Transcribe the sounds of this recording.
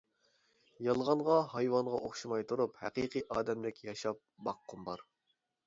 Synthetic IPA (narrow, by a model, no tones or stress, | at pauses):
jɑlˠʁɑnʁɑhɑjwɑnʁɑʔoχʃimɑjt̪ʰuɾuphɛ̰qiqʰɨʔɑːd̪ɛmlɪkʲjɑʃɑp̚bɑqːʊmbɑ̰ɾ